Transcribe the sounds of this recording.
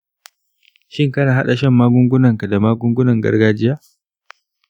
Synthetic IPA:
ʃɪ˦ŋkɐ˦naː˨ɦa˦ɗa˨ʃɛ˦˨mːaː˦ɡʷʊ˦ŋɡʷʊ˦nɐ˨ŋka˨da˨maː˦ɡʷʊ˦ŋɡʷʊ˦nɐ˨ŋɡɐ̰˦rɡaː˦d͡ʒɪ˦jaː˦

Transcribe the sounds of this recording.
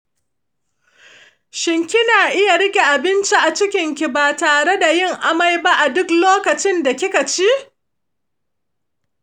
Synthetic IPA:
ʃɪ˦ŋkʲɪ˦naː˨ʔɪ˦ja˨ɽɪ˦kʲe˨ʔa˨bɪ˦nt͡ʃi˦ʔa˨t͡ʃɪ˦kʲɪ˨ŋkʲi˨baː˨taː˨ɽe˦da˨jɪ˦˨ŋʔa˦ma˦jba˦ʔa˨dʊ˦kloː˦kɐ˨t͡ʃɪ˦nda˨kʲɪ˦ka˨t͡ʃi˦

